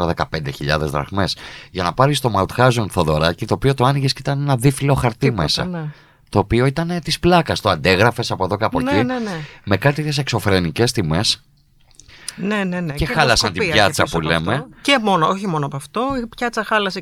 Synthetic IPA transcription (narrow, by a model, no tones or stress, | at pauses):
ɐðe̞kɐpe̞nd̪eçiʎɐ̰ðe̞zðɾɐ̰xme̞sʝɐnɐpɐɾist̪o̞mɐut̪xɐzonθo̞ðo̞ɾɐcit̪oːpio̞t̪oɐniʝesit̪ɐne̞nɐðifilo̞xɐɾt̪imesɐ̰ | t̪o̞ːpio̞it̪ɐnet̪isplɐkɐst̪oɐnd̪eɣɾɐfe̞sɐpoðo̞kɐpocinnme̞kɐt̪iit̪esekso̞fɾe̞nice̞st̪ime̞s | nenencexɐlɐsɐnt̪ibbʝɐt͡sɐule̞mecemonooçimonoɐpɐft̪oipçɐt͡sɐxɐlɐse